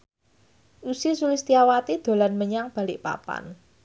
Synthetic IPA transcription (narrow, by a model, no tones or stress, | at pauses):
ʔusisulist̪iawat̪id̪̥o̤lanməɲaŋb̥ä̤lɪʔpa̰pa̰n